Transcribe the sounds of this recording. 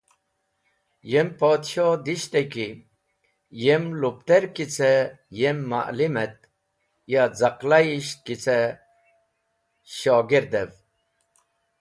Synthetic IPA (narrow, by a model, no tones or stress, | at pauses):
jempoːt̪ɕod̪iɕt̪eki | jemlupt̪eɾkit͡se | jemːa̰ʔlimet̪ | jad͡zaqlaiɕt̪̚kit͡se | ɕoːɡiɾd̪ev